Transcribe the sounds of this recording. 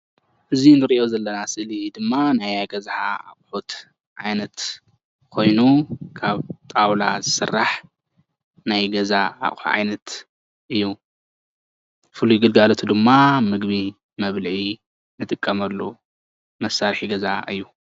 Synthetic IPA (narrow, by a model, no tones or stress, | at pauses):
ʔɨzinɨɾiʔjozɐlːɐnasɨʔlid̪ɨmːanajaɡɐzħa̰a̰χʼħut̪ | ʕajnɐt̪ | kʰo̞jnukʰaβt̪ʼawlazɨsɨrːaħ | najɡɐzaa̰χʼħṵʕa̰jnɐt̪ | ʔɨjːu | fɨlujɡɨlɡalot̪ʰud̪ɨmːamɨɡβi | mɐβlʕi | nɨt̪ʼɨkʼːɐmɐlːo | mɐsːaɾħiɡɐza̰ɨ̰jːu